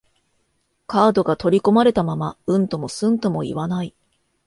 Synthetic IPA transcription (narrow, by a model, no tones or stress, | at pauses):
kaːd̪o̞ɡat̪o̞ɾʲiko̞maɾe̞t̪amamaɯ̟̃nt̪o̞mo̞sɨ̃nt̪o̞mo̞ḭβanai